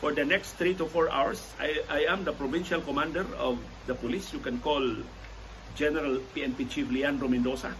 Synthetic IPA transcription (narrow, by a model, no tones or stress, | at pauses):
fɔɹd̪ənɛkst̪ɾit̪ufɔɹa̰wəɹs | ajajæ̃md̪əpɾovĩnʃalkɔmãndɛɾɔ̰v | d̪əpɔlisjukɛ̃nkɔl | d͡ʒɛnɛɾalpiɛ̃npit͡ʃifliãnɾomɛ̃nd̪osa